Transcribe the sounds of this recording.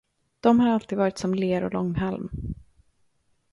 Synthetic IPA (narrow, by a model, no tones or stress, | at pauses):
d̪̥ɔmhaɾalt̪ʰiːd̪vɑːɾɪt̪sɔmleːɾɔ̰lɔŋːɦɛlm